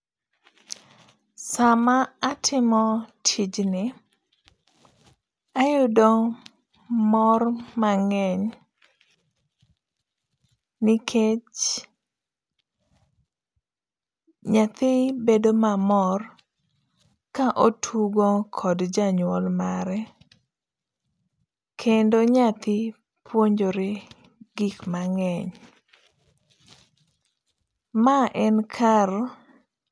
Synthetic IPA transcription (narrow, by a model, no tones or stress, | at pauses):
samaatʰɪmɔtʰid͡ʒnɪ | ajʊdoŋ | mɔrmaŋɛɲ | nɪkʰet͡ʃ | ɲat̪ɪbedomamɔr | kaʔotʰuɡokʰɔdd͡ʒaɲwɔlmaɾɛ | kʰendoɲat̪ɪ | pʰwoɲd͡ʒoɾe | ɡikmaŋɛɲ | maʔɛnkʰar